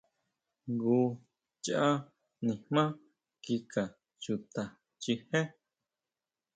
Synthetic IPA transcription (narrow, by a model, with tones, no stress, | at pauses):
ɡuː˧ | t͡ʃʔa˦ | nĩ˨hmãː˦ | ki˧ka˨ | t͡ʃu˧˨t̪a˨ | t͡ʃi˧he˦